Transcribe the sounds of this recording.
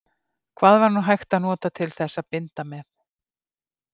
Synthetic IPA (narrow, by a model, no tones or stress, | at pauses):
kʰv̥aːðvaɾnuɦajxt̪aðnɔːt̪at̪ʰɪlθɛsːaðpɪnt̪amɛθ